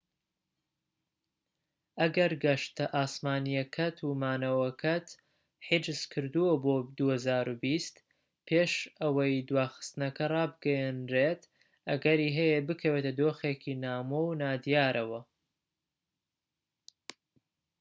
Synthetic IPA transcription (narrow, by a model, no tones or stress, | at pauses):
ʔɐɡɐɾɡɐʃt̪ɐʔaːsmaːnijɐkʰɐt̪ʰumaːnɐwɐkʰɐt̪ | ħid͡ʒɨz̥kʰɨɾd̪uwɐboːd̪uhɐzaːɾubist̪ | pʰeːʃʔɐwɐjd̪waːxɨ̥st̪ɨnɐkɐrˤɑːbɨɡɐjɛnɾeːt̪ | ʔɐɡɐɾiːɦɐjebɨkʰɐweːt̪ɐd̪oːxeːkʰinaːmownaːd̪ijaːɾʔɐwɐ